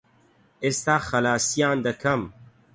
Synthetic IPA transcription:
eːst̪aːxɐlaːsijaːnd̪ɐkʰɐm

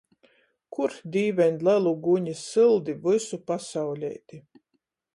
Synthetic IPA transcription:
kuɾd̪ʲiːvʲɛnlˠælˠuɡuɲisɨlˠd̪ivɨsupasawlʲɛ̰jt̪i

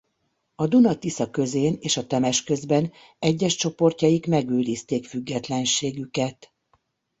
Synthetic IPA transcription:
ɒd̪unɒt̪isɒkø̞zeːneːʃɒt̪ɛmɛʃkø̞zbɛn | ɛɟːɛʃt͡ʃo̞po̞rcɒjikmɛɡøːliːst̪eːkfyɡːɛt̪lɛnʃeːɡykɛt̪

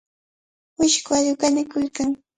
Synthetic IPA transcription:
mʊʃkʊaʎʊkanɪkʊlkaŋ

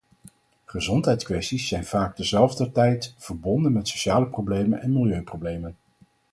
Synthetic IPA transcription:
χəzɔntɦɛjtskʋɛstisːɛjnv̥aːɡ̚dəzɛlˠvdətɛjtvəɹbɔndənmɛtsoʃaːləprowblejmənɛnmɪlˠjøɥprowblejmən

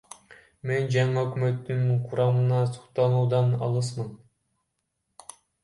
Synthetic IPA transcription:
mend͡ʒɑɴɑɵkʲymøt̪ːyŋqʰuɾɑmɯnɑsu̥χt̪ɑnuwd̪ɑnɑ̰lˠɯsmɯn

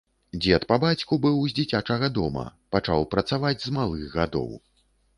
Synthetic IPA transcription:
d͡zʲɛt̪pabat͡sʲkubɨwzʲd͡zʲit͡sʲat͡ʂɐɣɐd̪ɔmɐ̰pat͡ʂawpɾɐt̪savad͡zʲzmalˠɨɣɣad̪ɔ̰w

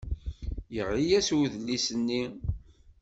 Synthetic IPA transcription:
jəʁijæswuðəlːisənːi

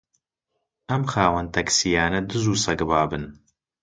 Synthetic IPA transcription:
ɐmxaːwɐnt̪ʰɐksijaːnɐd̪ɨzuːsɐɡɨbaːbɨn

